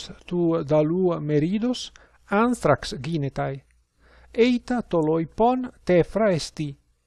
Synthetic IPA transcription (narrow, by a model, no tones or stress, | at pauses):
t̪ud̪alumeɾid̪os | ant̪ɾaksɡinet̪aj | ejt̪at̪olojpɔnt̪ɛfɾaest̪i